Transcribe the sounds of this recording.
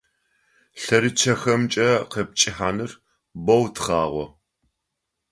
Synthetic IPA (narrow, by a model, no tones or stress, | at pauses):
ɬɐɾɨt͡ʃʰɐxɐmt͡ʃʼɐqep̚t͡ʃʼɪħaːnɨr | bɐwtʰχaːʁʷɔ